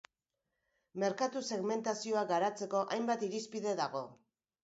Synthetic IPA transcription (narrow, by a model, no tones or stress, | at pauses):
me̞ɾkat̪use̞ɣme̞nt̪asio̞aɡaɾat͡se̞ko̞ʔajmbat̪iɾispiðe̞ðaɣ̞o̞